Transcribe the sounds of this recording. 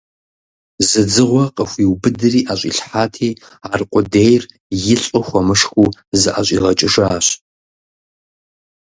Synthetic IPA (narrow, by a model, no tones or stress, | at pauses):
zɨd͡zɨʁʷɔqʼəxʷiːwbɨdɨriːʔaɕʷʼḭɬħaːtʰiː | aːrqʷʼʊdejr | jɪɬʼʊxʷɔmɨʂxuːzɨʔaɕʼḭːʁɐt͡ʃʼɪʂaaːɕ